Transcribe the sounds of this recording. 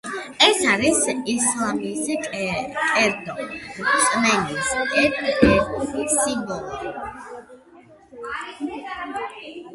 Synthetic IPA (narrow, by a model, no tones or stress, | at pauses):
ɛsaɾisislˠamisʼ | kʼɛɾd̪ɔsʼmɛniskʼɛɛsinbɔlˠɔ